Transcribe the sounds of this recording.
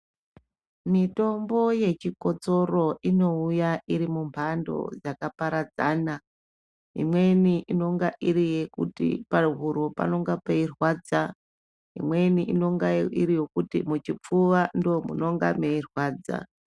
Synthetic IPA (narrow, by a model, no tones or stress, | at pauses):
mito̞mbo̞je̞t͡ʃiko̞t͡so̞ro̞ino̞ujaʔiɾimumpʰando̞̰d͡zakapaɾad͡zaːna | ḭmwe̞niʔino̞ŋɡaʔiɾije̞kṵtḭparɦuɾopa̰no̞ŋɡapeirwaːd͡za | ḭmwe̞niʔino̞ŋɡaiɾijo̞kutḭmut͡ʃip͡fuʋandomuno̞ŋɡa̰meirwaːd͡za̰